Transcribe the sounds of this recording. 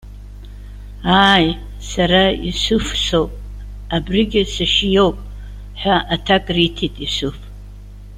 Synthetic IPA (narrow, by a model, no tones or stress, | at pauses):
aj | saɾaḭsɨfso̞wpʼ | abrɨɡʲɪsaʃijo̞wpʼ | ħaʔatʰakʼritʰitʼisɨf